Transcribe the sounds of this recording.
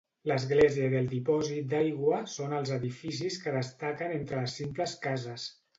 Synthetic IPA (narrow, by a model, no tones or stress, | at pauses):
ləzɣleziəðəlˠd̪ipɔzit̪̚d̪ajɣwəsonəlˠzəðifis̬iskəðəst̪akənent̪ɾələsːimpləskazəs